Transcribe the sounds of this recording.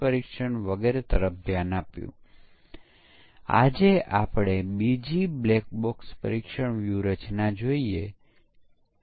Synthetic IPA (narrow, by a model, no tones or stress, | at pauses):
pəɾikʃəɳʋəɡeɾet̪əɾəp̚ʰbjanapjṵ̃ | a̰d͡ʒeʔapɽebid͡ʒiblek̚bokspə̰ɾikʃəɳʋjuɾət͡ʃnad͡ʒoie